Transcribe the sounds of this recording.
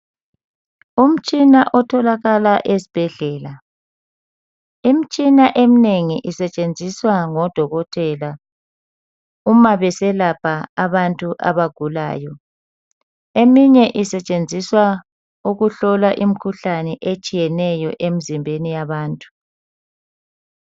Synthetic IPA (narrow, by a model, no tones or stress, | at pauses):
um̩t͡ʃʼinaʔɔtʰɔlaɣalaʔesi̥b̥ʱɛɮɛːla | im̩t͡ʃʼinaʔemineŋiʔisɛt͡ʃʼend͡zʱiswaŋɔd̥ʱɔɣɔtʰʼɛla | umaβɛsɛlapʰaaβantʼuʔa̰βaɡ̥ʱula̰ːjɔ | emiɲɛʔisɛt͡ʃʼend͡zʱiswa | uɣuɬɔlaʔim̩kʰuɬanɛʔet͡ʃʼijɛnɛjɔʔemizimbʱenijaβaːntʼu̥